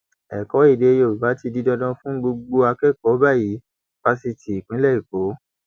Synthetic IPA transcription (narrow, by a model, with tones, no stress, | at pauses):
ɛ˨kɔ˨˦i˦˨de˧jo˨u˨ba˨˦ti˧di˦dɔ˧dɔ̃˧fũ˦ɡ͡bo˧ɡ͡bo˧a˧kɛ˦˨kɔ˨˦ba˦˨ji˨˦ | b̥a˧si˧ti˨i˨k͡pĩ˨˦lɛ˦˨i˨ko˨˦